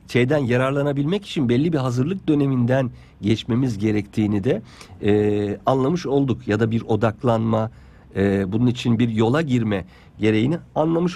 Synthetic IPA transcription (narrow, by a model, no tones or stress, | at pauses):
ʃʰe̞jd̪ænjaɾaɾlˠanabilʲmɛci̥t͡ʃʰinbɛlʲːibiɦazɯɾlˠɯk̚d̪ø̞ne̞mind̪æn | ɟɛt͡ʃme̞mizɟe̞ɾɛct̪ʰiːnid̪ɛ | anlˠamɯʃo̞lˠd̪ukjad̪abiɾo̞d̪aklˠanma | ɯbununit͡ʃʰinbiɾjo̞lˠaɟiɾmɛ | ɟe̞ɾe̞jinianlˠamɯʃ